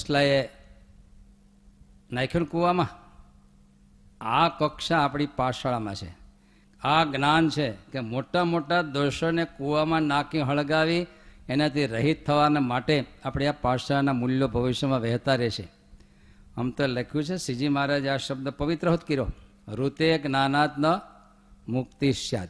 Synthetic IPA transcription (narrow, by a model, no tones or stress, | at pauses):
ʃlae | nãjkʰjunkuʋamã | akəkʃaːpɽ̃ipaʃaɭamã̰t͡ʃʰḛ | aɡnant͡ʃʰekemoʈamoʈad̪oʃənekuʋamãnakĩɦəɭɡaʋienat̪ʰiɾəɦit̪ʰːəʋanamaʈeapɽiapaʃaɭanamuljobʱəʋiʃjəmãʋɛɦt̪aɾɛʃḛ | əmt̪olekʰjũt͡ʃʰesid͡ʒimaɾad͡ʒaʃəb̚d̪əpəʋit̪ɾəɦut̪kiɾo̰ | ɾut̪eknanat̪nə | mʊk̚t̪iʃja̰d̪